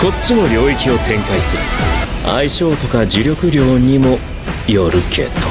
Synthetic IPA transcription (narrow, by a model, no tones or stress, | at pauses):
ko̞t͡sɨmo̞ɾʲo̞ːikʲio̞t̪ʰẽ̞ŋkaisɨɾɯ̟a̰iɕo̞ːt̪o̞kad͡ʑiɾʲo̞kɯ̟ɾʲo̞ːɲ̟imo̞ | jo̞ɾɯ̟kʰe̞̰ːt̪o